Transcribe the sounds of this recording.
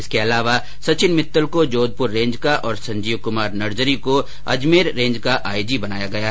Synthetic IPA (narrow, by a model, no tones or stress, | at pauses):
ɪskeɐlaːʋa | sɐt͡ʃɪnmɪt̪ːəlkod͡ʒoːd̪̚pʊɾːẽːɲd͡ʒkaʔɔːɾsɐ̃ɲd͡ʒiːʋkʊmaːɾnɐɾd͡ʒəɾiko | ɐ̰d͡ʒmeːɾːẽːɲd͡ʒkaʔaːjd͡ʒibɐnaːjaɡɐja